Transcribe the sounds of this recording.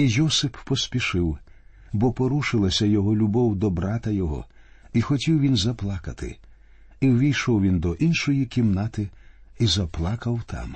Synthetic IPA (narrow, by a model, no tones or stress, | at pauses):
ijɔsɪppɔsʲpʲiʃɪw | bɔpɔɾuʃɪlˠɐsʲɐjɔɦɔlʲʊbɔwd̪ɔbɾɑt̪ɐjɔɦɔ̰ | ixɔtʲiwʋʲinzɐplˠɑkɐt̪ɪ̰ | iwʋʲijʃɔwʋʲind̪ɔʔinʃɔjikʲimnɑt̪ɪizɐplˠɑkɐwt̪ʰɑ̰m